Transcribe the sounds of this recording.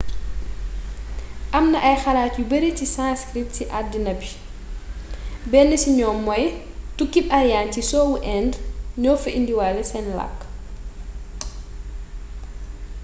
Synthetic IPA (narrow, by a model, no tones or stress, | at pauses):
ʔɐmnɐʔɐjxɐlaːtjubəɾitisãskɾit̚siʔadːinɐbi̥ | bɛlːəsiɲɔːmːɔj | tukːipɐɾjaːntisɔːwuʔɛːndɲɔːfɐʔindiwalɛsɛnla̰kː